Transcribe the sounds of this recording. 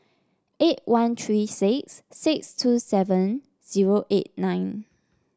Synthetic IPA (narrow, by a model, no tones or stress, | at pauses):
ʔet̚wãnt̪ʰɹisɪksːɪkstʰusɛvə̃n | z̥iɹoʔet̚nãɪ̃n